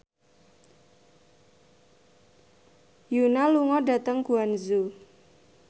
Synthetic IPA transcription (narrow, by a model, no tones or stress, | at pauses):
junaluŋɔɖa̤t̪əŋkuanzu